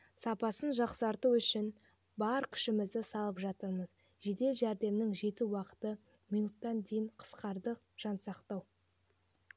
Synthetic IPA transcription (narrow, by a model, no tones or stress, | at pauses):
sɑpɑsənʒɑqsəɑɾt̪əwʏʃɪn | bɑɾkʲʰɪ̥ʃɪmɪzd̪ɪsɑlˠəpʒɑt̪əɾməz | ʒe̞d̪e̞lʒæɾd̪e̞mnɪŋʒe̞t̪uwɑqə̥t̪ə | mijnut̪ːɑnd̪e̞jɪɴqʰə̥sqɑɾd̪əq̚ | ʒ̥ɑnsɑqt̪ɑw